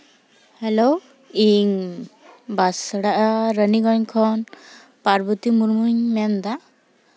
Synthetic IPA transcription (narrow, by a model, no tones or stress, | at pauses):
hɛlo | iŋ | basɽaʔaɾəniɡɔɲkʰɔn | paɾbut̪imuɾmuɲmɛnd̪a